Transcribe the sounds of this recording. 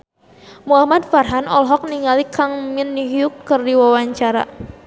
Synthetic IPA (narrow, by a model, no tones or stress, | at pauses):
muahmad̪̚farɦanɔlɦɔk̚niŋalikaŋminːiɦjʊkːərdiwawaɲt͡ʃaɾa̰